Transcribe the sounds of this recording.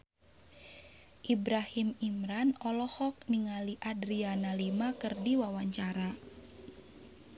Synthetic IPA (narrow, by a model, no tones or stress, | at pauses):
ʔibɾahimimɾanɔlɔhɔk̚niŋaliʔadɾianalimakɨrdiwawaɲt͡ʃaɾa